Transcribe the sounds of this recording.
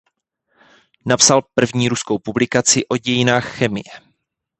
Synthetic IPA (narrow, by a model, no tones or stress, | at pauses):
napsalpr̩vɲiːɾusko̞wpublɪkat͡sɪʔo̞ɟɛjɪnaːxxɛmɪ̰jɛ